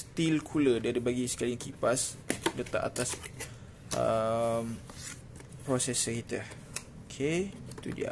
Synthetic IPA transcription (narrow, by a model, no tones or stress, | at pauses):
st̪ilkʰulədiadəbaɡisə̥kaliŋkipaslət̪a̰ʔa̰t̪as | əm | pɾosɛsəkit̪ə | okʰeit̪ṵdḭa̰